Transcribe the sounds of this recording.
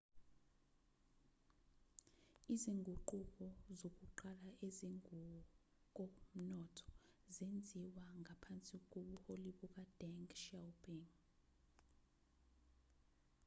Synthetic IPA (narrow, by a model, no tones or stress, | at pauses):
iziŋɡʱuǃuk̬ʼɔzok̬ʼuǃalaeziŋu | k̬ʼɔm̩nɔtʰɔ̥zend͡zʱiwaŋʱapʰant͡sʼik̬ʼoɓuholiɓuk̬ʼad̥ɛŋkʰʼʃawpʰʼiŋ